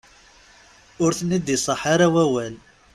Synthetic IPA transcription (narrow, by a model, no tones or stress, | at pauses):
ʊɾθnid̪isˤəħaɾawæwæl